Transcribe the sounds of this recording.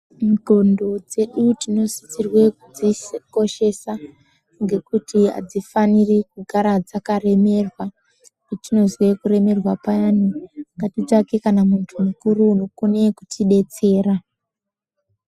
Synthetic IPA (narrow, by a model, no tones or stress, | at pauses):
miɡʱondo̞d͡ze̞ɗutino̞si̥t͡sirwe̞kud͡ziko̞ʃe̞sa | ŋɡe̞kutiɦa̰d͡zifanirikuɡʱaɾad͡zakare̞me̞rwa | etino̞zwe̞kuɾe̞me̞rwapajaniŋɡatid͡zakekanamuntʰumukuɾuːno̞kone̞kutiɗe̞t͡se̞ːɾa